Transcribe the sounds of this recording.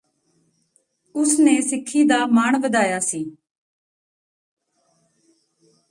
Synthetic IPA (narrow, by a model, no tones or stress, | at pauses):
ʊsneːsɪkʰːiːd̪aːmaːɳ̃ʋəd̪aːjaːsiː